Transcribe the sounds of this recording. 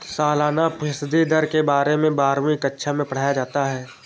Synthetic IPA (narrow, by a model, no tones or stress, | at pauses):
saːlaːnapɪsd̪id̪əɾkebaːɾemẽbaːɾmĩkətːʃʰamẽpɐɽ̤aːjad͡ʒaːt̪aɦɛː